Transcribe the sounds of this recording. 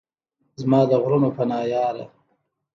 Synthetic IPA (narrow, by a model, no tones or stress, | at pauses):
zmɑːd̪əɣɾunopanɑːjɑːɾa̰